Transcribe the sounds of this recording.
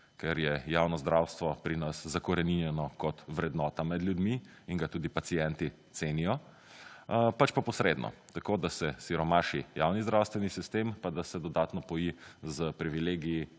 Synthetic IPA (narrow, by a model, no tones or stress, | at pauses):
kɛɾjɛjawnɔzd̪ɾawst̪ʋɔpɾinaszakɔɾɛninjɛnɔkɔt̪ʋɾɛd̪nɔːt̪amɛd̪ljud̪mi | iŋɡat̪uːd̪ipasijɛnt̪iseːnijɔ | pat͡ʃpapɔsɾed̪nʔɔ̰t̪akod̪asɛsiɾɔmaʃḭjawnizd̪ɾawst̪ʋɛnisist̪empad̪asɛd̪ɔd̪aːt̪nɔbɔjizəpɾiʋileːɡiji